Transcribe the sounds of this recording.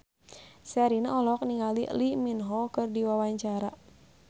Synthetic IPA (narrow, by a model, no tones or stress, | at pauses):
saɾinaɔlɔk̚niŋalḭliminɦɔkɨrdiwawaɲt͡ʃaɾa